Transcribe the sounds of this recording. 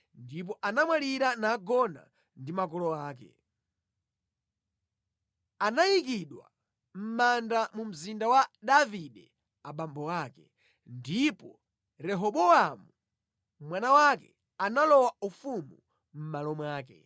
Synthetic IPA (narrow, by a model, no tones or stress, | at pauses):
ndip̬ɔʔanamwaliɾanaːɡɔna̰ | ndimakɔlɔaːkɛ̰ | anajikiɗwa̰ | m̩mandamum̩zindawaɗaviɗɛ | aɓambɔwaːkɛ | ndipɔ | ɾɛɦɔɓɔamu | mwanawakɛ̰ | analɔwaufumu | m̩malɔmwaːkɛ̰